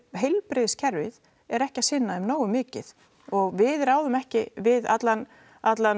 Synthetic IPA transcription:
ɦejlpɾɪːðscʰɛɾvɪð | ɛɾɛhcasɪnːaʏmnoːwʏmɪːcɪð | ɔɣvɪðɾaːwðʏmɛhcɪvɪða̰t̪lan | at̪lan

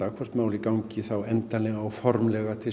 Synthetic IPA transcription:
akʰvɔr̥t̪maːwlɪkawɲcɪθawɛnt̪anlɛɣaːwfɔɾmlɛɣat̪ʰɪ

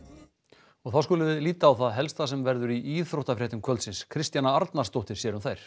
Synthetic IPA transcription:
ɔɣθawskʏːlʏvɪðliːt̪aːwθaðɦɛlst̪asɛmvɛɾðʏɾiʔiːθɾowht̪afɾɛht̪ʏmkʰvœlt̪sɪnskʰɾɪst̪janaaɾt̪naɾ̥st̪owht̪ɪɾ̥sjɛːɾʏmθajɾ̥

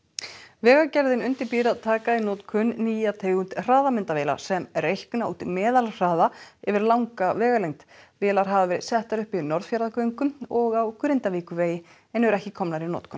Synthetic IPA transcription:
vɛːɣacɛɾðɪnʏnt̪ɪɾpiːɾaðt̪ʰaːkainɔːt̪kʰʏnːiːjat̪ʰeːɣʏnt̪r̥aːðamɪnt̪aveːla̰sɛmɾejhknauːt̪mɛːðalr̥aːðaɛvɪɾlawŋkavɛːɣalejŋt̪vɛːlaɾ̥ɦavavɛːɾɪ̰ðsɛht̪aɾʏhpɪðnɔɾðfjaɾðakœːjŋkʏmɔɣawkʰɾɪnt̪aviːkʏveːjɪ | ɛnɛɾɛhcɪkʰɔmnaɾɪnɔ̰ːt̪kʰʏn

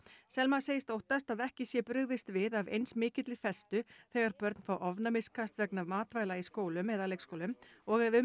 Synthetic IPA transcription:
sɛlmḁseːjɪst̪owht̪ast̪aðɛhcɪsjɛpɾʏɣðɪst̪vɪðavḛjnsmɪːcɪt̪lɪfɛst̪ʏθɛɣaɾ̥pœɾt̪n̥fawʔɔvnamɪskʰast̪vɛknavmaːt̪vaːjlaiskoːwlʏmɛðalejkskowlʏmɔɣɛvʏ

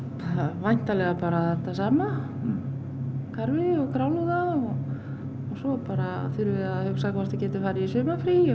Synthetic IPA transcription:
aðvajn̥t̪alɛɣapaːɾaθɛht̪ːasaːma | kʰaɾvɪɔɣkɾaːwlʏɣðaðɔɣ | ɔsɔpaːɾaθʏɾvɪaðhʏksakvast̪acɛːt̪ʏfaːjɾɪisʏːpnafɾi

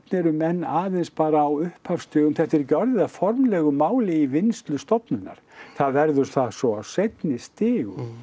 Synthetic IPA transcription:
tnɛɾʏmɛnːaːðenspaːɾaːwʏhphafst̪œːɣʏmθɛht̪ɛɾcɔɾðɪðafɔɾmlɛːɣʏmaːwlɪivɪnst̪lʏst̪ɔpnʏnːa̰ɾ̥θaðvɛɾðʏɾθasɔawsejt̪nɪst̪ɪːɣʏ̰

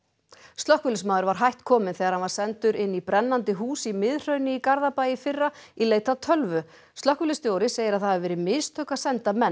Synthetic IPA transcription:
st̪lɔhkvʏlɪsmaːwðʏɾvaɾ̥ɦajht̪kʰɔːmɪnθɛːɣaɾhanvaɾ̥sɛnt̪ʏɾɪnːipɾɛnːant̪ɪɦuːsimɪðr̥œɥnɪikaɾðapajɪfɪrːaileːjt̪at̪ʰœlvʏ | st̪œhkvʏlɪst̪joːwɾɪseːjɪɾaðθaavvɛːɾɪmɪðst̪ʰœːkḁsɛnt̪amɛn

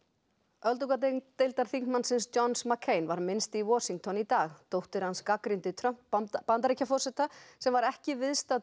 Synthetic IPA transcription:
œlt̪ukat̪et̪ejlt̪aɾ̥θiŋ̥kmansɪnst͡ɕɔnsmakʰːeːjnvaɾmɪnst̪iwɔːsiŋk̚t̪ʰɔnit̪aːɣt̪owht̪ɪɾ̥hanskakɾɪnt̪ɪt̪ʰɾœpant̪aɾicːafɔrsɛht̪asɛmvaɾɛhcɪvɪðst̪a

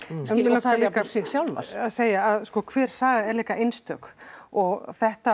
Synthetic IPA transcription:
ɛnvɪlɔːlɛkasɛɣsjawlva̰ɾ̥aðseːjaːðskɔkʰvɛːɾ̥saːɣaɛɾliːkaʔejnst̪œkɔɣθɛht̪a

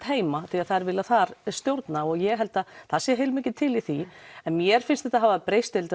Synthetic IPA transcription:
t̪heːjmaθiaðθaðɾvɪlːaθaɾst̪jowɾt̪naɔɣjɛɣɦɛl̪t̪aθaðsɛːɦejlmɪːc̬ɪt̪ʰɪliθiɛnmjɛɾ̥fɪnst̪θɛht̪aɦaːvapɾejst̪ɪlt̪

